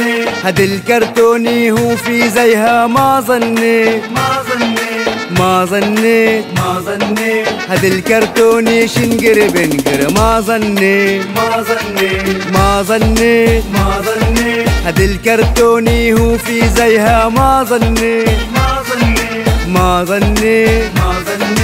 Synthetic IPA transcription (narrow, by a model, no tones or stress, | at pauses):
hɐd̪ilkɐɾt̪oːniɦũːfizɐjɦɐmaːzɐnːe | maːzɐnːe | hɐd̪ilkɐɾt̪oːniːʃinɡiɾbenɡiɾmaːzɐnːe | maːzɐnːeznhɐd̪ilkɐɾt̪oːniɦufiːzɐjɦɐmaːzɐnːe | maːzɐnːe